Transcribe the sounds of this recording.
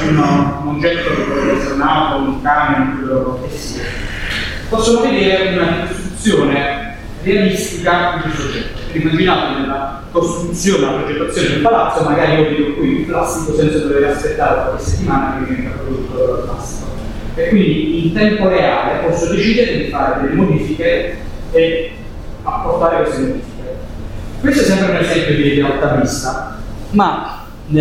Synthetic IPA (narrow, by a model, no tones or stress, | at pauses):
unkond͡ʒɛt̪ːokeoveet̪ornaːt̪ouŋkamekesːiːa | posːjamoved̪eːɾeunakost̪ɾut̪sːjoːne | realist̪ikad̪iusod͡ʒːɛt̪ːo̥peimːad͡ʒinaːt̪onelːa | kost̪ɾut̪sːjoːnelapɾed͡ʒet̪ːat̪sːjoːned̪elpalat̪somaɡaːɾiioveːd̪okwiuɱflasːikosɛnt̪sad̪oveɾaspet̪ːaːɾekwakeset̪ːimaːnaeivɛnt̪apːɾod̪out̪ːoloɾala̰si̥ko | ekːwind̪iːnt̪ɛmpoɾeaːlepɔsːod̪et͡ʃiːd̪eɾed̪ifaːɾed̪elːemod̪iːfike | e | apːort̪aːɾekwest̪emod̪iːfikekwest̪oɛsɛmpɾeunɾezɛmpjod̪ied̪ealt̪amist̪ama